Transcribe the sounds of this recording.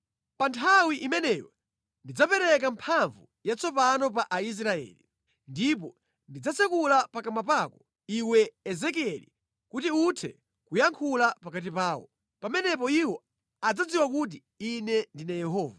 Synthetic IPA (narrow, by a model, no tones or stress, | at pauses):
pantʰawiʔimɛnɛjɔ̰ | ndid͡zapɛɾɛk̬ampʰaɱvu | jat͡sɔpanɔp̬aʔais̬ɾaɛ̰ːli | ndip̬ɔ | ndid͡zasɛkulapakamapakɔ̥ | iwɛːzɛk̬iɛlḭ | kutiutʰɛ̰ | kujaŋkʰulapakat̬ipaːwɔ̰ | pamɛnɛpɔiwɔ | ad͡zad͡ziwakut̬i | inɛndinajɛɦɔːva